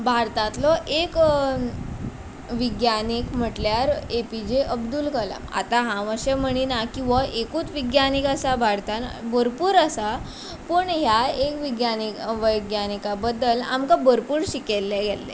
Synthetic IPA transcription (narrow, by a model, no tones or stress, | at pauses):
bʱaɾt̪at̪lɔʔek | ʋiɡjanikm̤əʈljaɾepid͡ʑeʔəbd̪uːlkəla̰ma̰t̪aɦãʋəɕem̤əɽ̃inakĩw̃ʋaʔekuːt͡sʋiɡjanikasabʱaɾt̪anbəɾpuːɾəsa | pəɳɦjaekʋiɡjanikʋəjɡjanikabəd̪ːəla̰mkabəɾpuːɾɕikelːɛɡɛlːɛ̰